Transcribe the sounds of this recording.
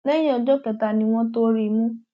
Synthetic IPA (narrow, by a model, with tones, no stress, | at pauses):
nɛ˦j̃ã˦ɔ˧˨d͡ʒɔ˦kɛ˨ta˨nĩ˧w̃ɔ̃˦to˦ɾi˧˨mũ˦